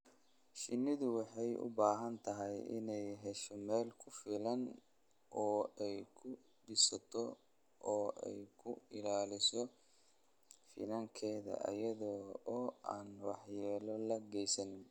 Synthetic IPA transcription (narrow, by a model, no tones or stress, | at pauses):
ʃɪnːɪðʊwɑħɑjʔʊ̰baːɦɐnt̪ʰɐɦɛjɪ̰nɛjɦɛʃɔmɛːlkʰʊfɪlɐn | ʔɔːɛjkʰʊ | ɖɪsɐt̪ʰɔ | ʔɔːʔɛ̰jkʰʊɪlaːlɪsɔ | fɪ̰nɐŋkʰɛːðɐ̰ʔɐ̰jɐðɔː | aːnwɑħjɛːlɔlɐɡɛjsɐnɪn